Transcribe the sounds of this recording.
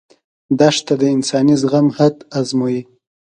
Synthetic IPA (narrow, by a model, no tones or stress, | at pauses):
d̪aʂt̪ad̪əɪnsɑnizɣamhad̪azmoji